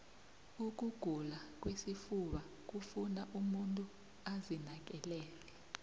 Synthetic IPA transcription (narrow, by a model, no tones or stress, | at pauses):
uk̬uɡ̥ʱulak̬wesifuɓa | k̬ufunaʔumuntʼu | azinak̬ɛlɛːlɛ